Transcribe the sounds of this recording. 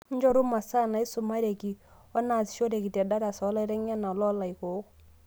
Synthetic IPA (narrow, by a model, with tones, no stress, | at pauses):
ɲ˦d͡ʒɔ˦ɾu˦ma˨sa˦na˨ɪ˦sʊ˨ma˦ɾe˨ki˨ | ɔ˦na˨sɪ̥˨ʃo˦ɾe˨ki˨tɛ˨da˦ɾa˨sa˨˦la˦ɪ˦ɾɛ˦ŋa˦na˨ɔ˨lɔ˦la˨i˨ko˨˦k